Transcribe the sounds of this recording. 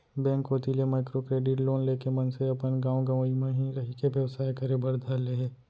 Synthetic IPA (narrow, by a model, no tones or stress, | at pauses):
bɛ̃ːŋkoːt̪ilemaːɪkɾokɾeːɖɪʈloːnleːkemɐnseɐpənɡãːõɡɐʋimẽɦiɾɐɦikeʋjɐʋsaːjkɐɾebɐɾd̪ʱaleɦeː